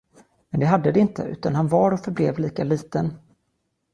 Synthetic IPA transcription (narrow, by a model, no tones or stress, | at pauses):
mɛnd̪ɛɦad̪ːəd̪ɛɪnt̪ʰə̰ʉ̟̰ːt̪anɦanvɑɾɔfœɾblɛvliːkaliːt̪ən